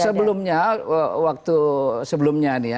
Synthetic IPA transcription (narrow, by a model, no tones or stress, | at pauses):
səbəlʊmɲawak̚t̪usəbəlʊmɲainija